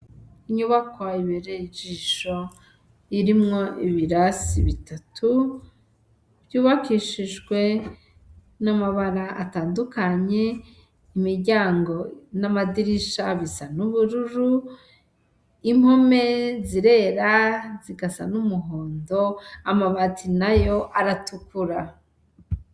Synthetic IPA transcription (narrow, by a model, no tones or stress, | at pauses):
iɲuβakwaaiβeɾed͡ʒiʃo̞ | iɾimŋo̞iβiɾasiβitatʰu | b̥juːβakiʃiʒɡwe̞ | namaβaɾaʔa̰taːndukaɲe̞ | imiɾɟaːŋɡo̞namadiɾiʃaβisanuβuɾuɾu | im̥ho̞meziɾe̞ɾaziɡasa̰numuɦoːndo̞amaβatʰinajo̞ʔaɾatukuɾa